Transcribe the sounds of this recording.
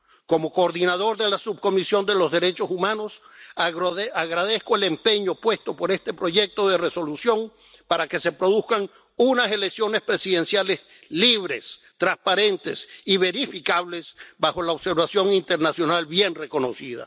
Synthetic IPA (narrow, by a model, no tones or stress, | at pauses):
ko̞mo̞koːɾðinað̞o̞ɾðelasub̚ko̞misjo̞nd̪e̞lo̞zðe̞ɾe̞t͡ʃo̞sumãno̞s | aɣɾað̞e̞skoele̞mpe̞ɲopwe̞st̪o̞po̞ɾe̞st̪e̞pɾo̞ʝe̞k̚t̪o̞ðere̞so̞lusjo̞ŋ | paɾake̞se̞pɾo̞ðuskaŋ | unase̞leksjo̞ne̞spɾe̞siðe̞nsjale̞s | liβ̞ɾe̞s | t̪ɾaspaɾe̞nt̪esiβe̞ɾifikaβle̞sbaxo̞laoβse̞ɾβasjo̞ŋint̪e̞ɾnasjo̞nalbje̞nre̞ko̞no̞siða̰